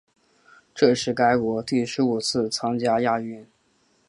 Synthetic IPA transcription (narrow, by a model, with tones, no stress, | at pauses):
ʈ͡ʂɤ˥˧ʂɻ̩˥˩ka˥ɪkwɔ˧˥t̪i˥˩ʂɻ̩˧˥u˨˩t͡sʰɹ̩˥˩t͡sʰɑ˥ŋt͡ɕja˥ja˥˧y˥˩n